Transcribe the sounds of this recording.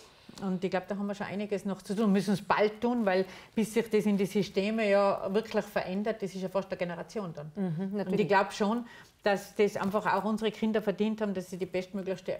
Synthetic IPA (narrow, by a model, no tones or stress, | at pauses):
ʊntɪɡ̥laʊb̥̚d̥ɑːɦɑmiɐʃonʔa̰ɪnɪɡəsnɔχt͡sutʰuːnmʏsn̩sb̥a̰ltʰːuːnvaɪlb̥ɪsːɪçd̥esɪndisysteːməjɑːvɪɐkʰlɪçfɛɐʔɛndɐt̚d̥esɪʃjɑfɑst̚d̥ɛɐɡ̥enəʁat͡sjoːndɑnʊndɪɡ̥laʊbʃoːn | d̥asd̥esʔa̰ɪnfɑχa̰ʊxʊnzəʁəkʰɪndɐfɛɐdiːnthɑːbm̩d̥asːidiːb̥ɛstmøːɡlɪçstə